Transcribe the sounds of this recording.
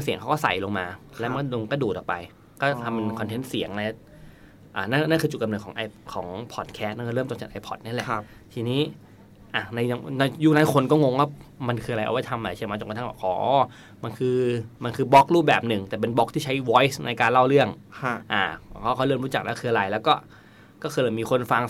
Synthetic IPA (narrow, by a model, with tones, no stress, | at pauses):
si˨˩˦ŋkʰa˦˥wkɔː˥˩sa̰˨˩jlo˧ŋmaː˧lɛ˦˥ma˧˥˩lo˧kɔː˥˩duː˨˩t̪ɔː˨˩pa˧j | kɔː˥˩t̪ʰa˧mːa˧nkʰɔ˧nt̪ʰe˦˥nsi˨˩˦əŋla˧˦˥ | ʔaː˨˩na˥˩nna˥˩nkʰɯː˧t͡ɕu˨˩t̚ka˧mnɯː˨˩kʰɔː˩˦ŋʔa˧jkʰɔː˩˦ŋpʰɔ˨˩t̪̚kʰɛː˦˥t̪̚na˥˩kɔ˥˩lɤː˥˩t̪o˧ŋt͡ɕa˨˩ʔa˧jpʰɔ˨˩t̪̚ni˥˩˨lɛ˨˩ | t̪ʰiː˧niː˦˥ | ʔa˨˩na˧jna˧juː˥˩naː˦˥jkʰo˧nkɔː˥˩ŋo˧ŋwaː˥˩ma˧nkʰɯː˧a˧ɾa˧jʔwa˦˥˩jt̪ʰa˧mːʔla˧jt͡ɕʰma˧t͡ɕo˧ŋkt̪ʰbɛː˨˩kʔɔː˨˦ʔɔː˧˥˩ | ma˧nkʰɯː˧ma˧nkʰɯː˧bɔ˦˥k̚ɾuː˥˩p̚bɛː˨˩p̚nɯ˨˩ŋt̪ɛː˨˩p̬e˧nbɔ˦˥k̚t̪ʰiː˥˩t͡ɕʰa˦˥jwɔː˦˥jsna̰˧jkaː˧nla˥˩wɾɯ˥˩əŋʰ˧ | ʔa̰ː˨˩kʰɔː˥˩kʰaː˥˩jlɤː˥˩mɾuː˦˥t͡ɕa˨˩k̚lɛ̰ː˦˥˩kʰɯː˧a˧ɾa˧jlɛː˦˥wkɔː˥˩ | kɔː˥˩xʰɤː˧jla˨˧˩miː˧kʰo˧nfa˧ŋ